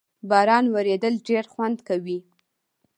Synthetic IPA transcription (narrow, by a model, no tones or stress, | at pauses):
bɑɾɑnwaɾed̪əlɖeɾxwand̪kawi